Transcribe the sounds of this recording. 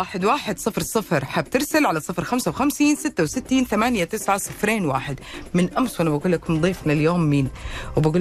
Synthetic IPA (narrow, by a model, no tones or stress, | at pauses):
aːħɪd̪waːħɪd̪sˤɨfɾsˤɨfɾˤħaːb̚t̪ɪɾsalʕalasˤɨfɾxamsawxamsiːnsɪt̪ːawsɪt̪ːiːnθamaːnjat̪ɪsʕasˤɨfɾeːnwa̰ːħɪd̪mɪnʔamswanabaɡuːlːakmnd̪ˤiːfmɪnɪljoːmːiːnwɪbaɡuːl